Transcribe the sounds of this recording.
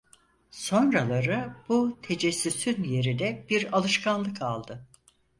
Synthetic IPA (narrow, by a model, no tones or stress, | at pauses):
so̞nɾalˠaɾɯbut̪ʰe̞d͡ʒɛsːysynje̞ɾid̪ɛbiɾalˠɯʃkʰanlˠɯkʰalˠd̪ɯ